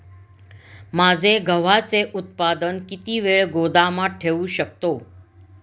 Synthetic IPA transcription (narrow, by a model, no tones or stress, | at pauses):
mad͡ʒeɡʱəʋ̤at͡ʃeʔʊt̪̚pad̪ənkit̪iʋeɭɡod̪amãʈʰeʋũʃək̚t̪o